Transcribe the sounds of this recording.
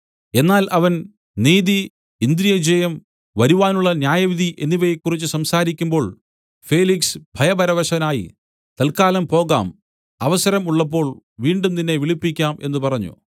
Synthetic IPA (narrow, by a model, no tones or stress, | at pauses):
e̞nːaːlʔɐʋɐn | niːði | ind̪ɾijɐd͡ʑejɐm | ʋɐɾuʋaːnuɭːɐnjaːjɐʋid̪ʱiʔe̞nːiʋɐjekːurit͡ɕːusɐmsaːɾik̬ʲːumbo̞ːɭ | feːliksbʱɐjɐbɐɾɐʋɐɕɐnaːjḭ | t̪ɐlkaːlɐmpo̞ːɣa̰ːm | ɐʋɐsɐɾɐmuɭːɐp̬ːo̞ːɭʋiːɳɖund̪inːe̞ʋiɭipːikʲːaːme̞nːupɐrɐɲːṵ